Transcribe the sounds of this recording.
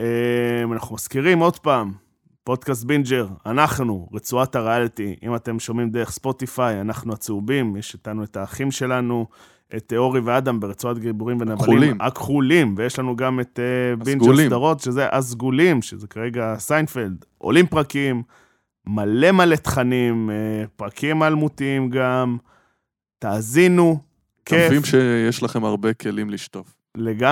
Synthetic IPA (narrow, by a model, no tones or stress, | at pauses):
emanaχnumaskiʁimo̞d̪paːm | po̞d̪kas̬t̪̚bind͡ʒeʁanaχnuʁet͡suathaʁealt̪iʔḭmat̪e̞mʃo̞mimd̪eʁeχspo̞t̪ifajanaχnuat͡seubimjeʃitanue̞taːχimʃe̞lanu | ʔet̪eo̞ʁivead̪ambeʁet͡suat̪ɡibuʁimvenavalimakχulimvejeʃlanuɡamet̪ebinɡd͡ʒelsdaʁo̞tʃezeʔazɡulimʃezekaʁe̞ɡasajnfeld̪ | ʔo̰limpʁakimː | ale̞male̞t̪χanimpʁakʰimalmutiimɡam | taːzinu | kʰeimʃejeʃlaχemaʁbekʰe̞limliʃtof | leɡa